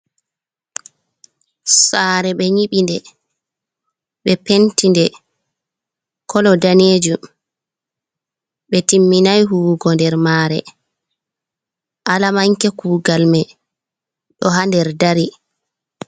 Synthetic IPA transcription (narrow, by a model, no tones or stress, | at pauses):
saːɾɛɓɛɲiɓindɛ | ɓɛpentindɛ | kʰɔlɔdaneːd͡ʒu | ɓɛtimːinajɦuːɡɔndɛɾmaɾɛ̰ | ʔalamaŋkɛkuːɡalmɛ | ɗɔɦandɛɾdaɾi